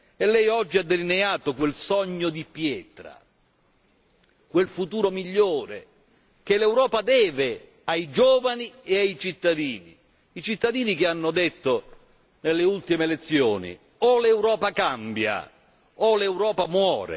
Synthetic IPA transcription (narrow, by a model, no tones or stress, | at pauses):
ɛlːɛjɔd͡ʒːiad̪ːelineaːt̪okwelsɔɲːod̪ipjɛːt̪ɾa̰ | kwelfut̪uːɾomiʎːoːɾḛ | k̟elewɾɔːpad̪ɛːvɪ | ajd͡ʒɔːvanieajt͡ʃit̪ːad̪iːnḭː | t͡ʃit̪ːad̪iːnik̟ɪanːʊd̪et̪ːo | nelːeult̪imelet̪sːjo̰ːnḭ | olɛwɾɔːpakambja̰ | olewɾɔːpamwɔːɾḛ